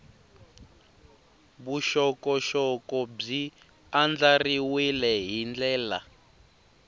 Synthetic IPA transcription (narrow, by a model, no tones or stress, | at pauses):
βuʃɔkɔʃɔkɔb͡ʐi | and͡ɮariwilɛɦind͡ɮɛːla̰